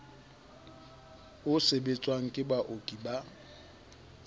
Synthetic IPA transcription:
ʊsebet͡sʼwaŋ̩kʼɪbwaʔokʼiba

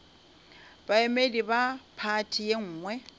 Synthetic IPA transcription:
baemedibapʰatʰijeŋ̩ːŋwɛ

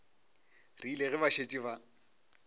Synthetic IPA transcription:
riːleɣɪbaʃet͡ʃʼiβa

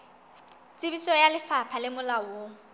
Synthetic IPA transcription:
t͡sʼɪbisɔjalɪfapʰalɪmʊlawo

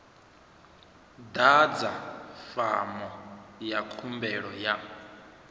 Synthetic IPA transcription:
d̪ad͡zafa̰mɔjakʰumbɛɺɔja

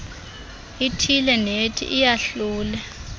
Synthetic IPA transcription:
itʰilɛnetʰḭʔːjaɬuːlɛ

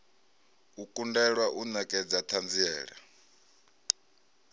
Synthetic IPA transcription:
ukʼundɛɺwaʔunakʼɛd͡zat̪ʰand͡ziɛːɺa̰

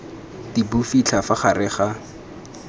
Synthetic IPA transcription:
dibufit͡ɬʰafaχarɪχa

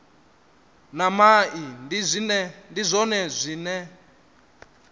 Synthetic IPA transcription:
namaʔinizʷinɛndizʷɔnɛzʷiːnɛ

